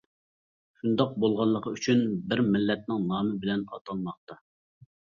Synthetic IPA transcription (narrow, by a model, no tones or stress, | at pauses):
ʃund̪ɑq̚bolˠʁɑlˠːəqʰəyt͡ʃʰynbɪɾmɪlːɛt̪̚nɪŋnɑːmɨbɪlɛnɑ̰t̪ʰɑlˠmɑq̚t̪ɑ